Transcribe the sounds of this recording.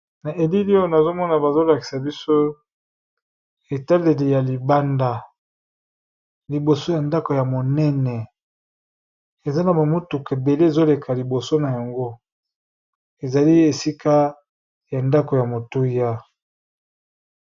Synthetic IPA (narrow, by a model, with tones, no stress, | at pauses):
na˨e˨li˦li˦o˦na˨zo˦mɔ˦na˨ba˨zo˦la˨ki̥˨sa˨bi˦so˦ | e˨ta˦le˨li˨ja˨li˨ba˦nda˦ | li˨bo˨so˦ja˨nda˦ko˨ja˨mo˨nɛ˦nɛ˨ | e˨za˦na˨ba˨mu˦tu˨ke˨be˨le˦e˨zo˦le˨kʰa˨li˨bo˨so˦na˨ja˨ŋɡo˦ | e˨za˨li˦e˨si˦ka˦ | ja˨nda˦ko˨ja˨mo˨tu˦ja˦